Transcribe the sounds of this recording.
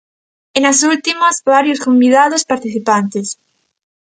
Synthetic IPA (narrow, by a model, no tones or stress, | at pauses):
enasult̪imazβaɾjoskombiðað̞ospaɾt̪iθipant̪es